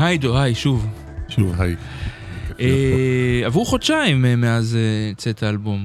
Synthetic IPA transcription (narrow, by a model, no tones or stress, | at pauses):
hajd̪ohajʃuv | ʃuvhaj | ʔe | avʁuχod̪ʃaimmeazet͡set̪aalbom